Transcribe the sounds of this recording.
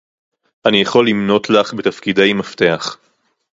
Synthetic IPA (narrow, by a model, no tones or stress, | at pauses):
ʔanijaχo̞lːimno̞tlaχbet̪afkidajmafte̞aχ